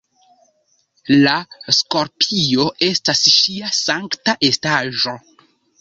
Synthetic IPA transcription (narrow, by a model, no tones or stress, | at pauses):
lasko̞ɾpʰio̞e̞stasʃiasaŋktaʔe̞staʒo̞